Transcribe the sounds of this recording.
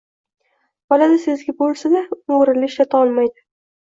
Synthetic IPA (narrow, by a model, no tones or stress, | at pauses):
bɒlad̪ɪsɪzɡʲabolˠsanaʊŋɾɪlɪʃlat̪ʰaɒlˠmajd̪ɪ